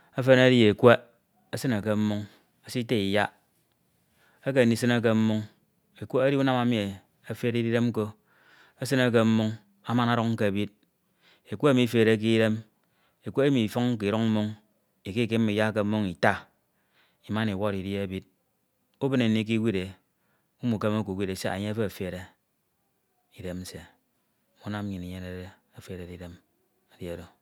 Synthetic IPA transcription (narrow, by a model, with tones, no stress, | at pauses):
a˦fe˦na˦ɾi˦e˨kʷe˦ | e˦sɨ˦na˨ke˨m̩˦mu˦ŋ | a˨si˦te˦i˨ja˦ | e˦k̬e˨ni˨sɨ˦na˦k̬e˦m̩˦mu˦ŋ | e˨kʷe˦a˦ɾi˦u˦na˦ma˨mi˨e˨ | a˨fe˦ɾi˦ɾi˦ɾe˦m˦ko˦ | e˦sɨ˦na˦k̬e˦m̩˦mu˦ŋ | a˦ma˦na˦ɾo˦kŋ̩˦ke˨a˨bi˦d̚ | e˨kʷe˦e˦mi˦fe˨ɾe˨˦k̬i˦ɾe˦m | e˨kʷo˦e˦mi˨fɔ˦ŋŋ̩˦ki˨ɾo˦ŋ̩˦mu˦ŋ | i˨ki˦ke˦m˦i˨ja˦k̬e˨m̩˦mːo˦ŋi˨ta˦ | i˨ma˦ni˨wo˦˨ɾi˨di˦e˦bi˦d̚ | u˦bɨ˦ne˨ni˦k̬i˦wi˦de˨ | u˦mu˨ke˦ma˦ku˨wʷi˦ɾe˨se˦a̰˨ɲe˦a˦fe˦a˨fe˨ɾe˨ | i˨de˦m̩˦se˨ | mu˨˦na˦m˦ɲi˨ni˨ɲe˦ne˨ɾe˦ | a˨fe˨ɾe˨di˨de˦m | a˨dja˨do˨